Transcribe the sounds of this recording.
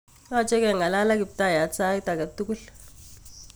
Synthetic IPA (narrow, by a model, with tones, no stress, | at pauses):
a˦˨t͡ʃʼɛ˦kɛ˨ŋa˨la˦la˦ki˨b̚t̪a˦˨ja˨t͡sa˦i˦ta˨ka˨t̪u˦ku˦ɬ